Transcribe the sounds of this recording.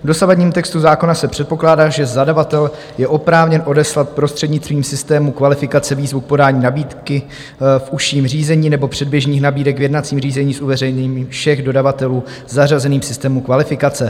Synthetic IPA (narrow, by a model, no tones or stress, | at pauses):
vdo̞savadɲiːmt̪ɛkst̪uzaːko̞nasɛpr̝̥ɛt̪̚po̞klaːdaːʒɛzadavat̪ɛl | jɛʔo̞pɾaːvɲɛnʔo̞dɛslat̪̚pɾo̞st̪r̥ɛdɲɪt͡st̪viːmsɪst̪ɛːmukvalɪfɪkat͡sɛviːzvuk̚po̞daːɲiːnabiːt̪kɪ | fʔuʃiːmr̝iːzɛɲiːnɛbo̞pr̝̥ɛd̚bjɛʒɲiːxnabiːdɛkvjɛdnat͡siːmriːzɛɲiːsʔuvɛrɛjɲɛɲiːmiːmfʃɛɣdo̞davat̪ɛluː | zːarazɛniːmsɪst̪ɛːmukvalɪfɪkat͡sɛ